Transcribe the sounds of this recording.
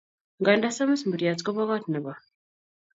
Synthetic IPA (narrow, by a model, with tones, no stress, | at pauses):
ŋɡa˨nda˦sa˦ma˦smbu˨ɾja˨t͡sko˦βa˦βa˦tnə˨βa˨